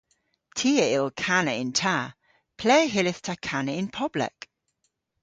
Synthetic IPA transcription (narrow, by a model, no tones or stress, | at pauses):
tʰiːəɪlˠkʰanəɪ̃ntʰa | pʰl̥ɛːɦɪlɪθtʰakʰanəɪnpʰɔblə̰k